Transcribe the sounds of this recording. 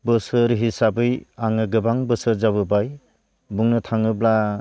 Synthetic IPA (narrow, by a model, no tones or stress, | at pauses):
bɯsɯɾɦisabɯjaŋɯɡɯbaŋbɯsɯɾzaβɯbaj | buŋnɯtʰaŋɯbla